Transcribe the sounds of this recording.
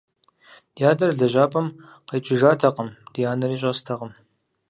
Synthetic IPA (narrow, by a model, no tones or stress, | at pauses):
d̥jaːdɐrɮɐʒʷaːpʼɐm | qɐjt͡ʃʰʼɪʒaːtʰɐqʼəmd̥ijaːnɐriːɕʼɐstʰɐqʼəm